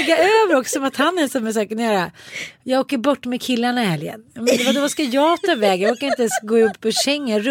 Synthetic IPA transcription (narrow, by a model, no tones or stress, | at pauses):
ɡːaøːvəɾɔksɔmat̪hanːɛsɔmɛs̬ɑːkənjœːɾajɑɡoːkəɾbɔʈːmɛkʰɪlːaɳaɪhɛljə̰nmɛnd̪ɛvad̪ɔvaskajɑːt̪ʰɑːvɛːɡjɑoːkaɾɪnt̪əɛnsɡoːɪɵpːpːɔɕɛŋːəɾ